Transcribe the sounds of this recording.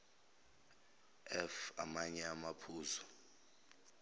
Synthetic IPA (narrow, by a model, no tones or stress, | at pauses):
ɛfa̰maɲɛamapʰuːzɔ